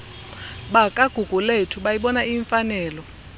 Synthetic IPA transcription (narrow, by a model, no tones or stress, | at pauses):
ɓakʼaɡ̥ʱuɡ̥ʱuletʰuɓajiɓɔnaʔiːɱfanɛːlɔ